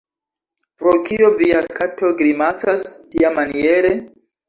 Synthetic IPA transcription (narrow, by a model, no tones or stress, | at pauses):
pɾokioviakʰatʰoɡɾimat͡sastiamanie̞ɾe